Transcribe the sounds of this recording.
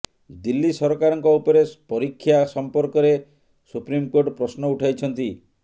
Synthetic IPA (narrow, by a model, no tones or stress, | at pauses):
d̪ilːisɔɾɔkaɾɔŋkɔupɔɾepɔɾikʰːjasɔmpɔɾkɔɾe | supɾimkoʈpɾɔsnɔuʈʰajt͡ʃʰɔnt̪i